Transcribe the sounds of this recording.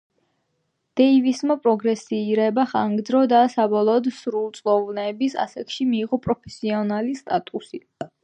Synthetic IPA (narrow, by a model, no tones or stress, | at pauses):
d̪̥ɛivismapʼɾɔɡɾɛsiːɾɛbaχaŋɡd̪zɾɔd̪asabɔlˠɔːd̪sɾulˠt̪sʼlˠɔvnɛːbisa̰sakʰʃimiːʁɔpʼɾɔpʰɛsiɔnalist̪ʼat̪ʼusi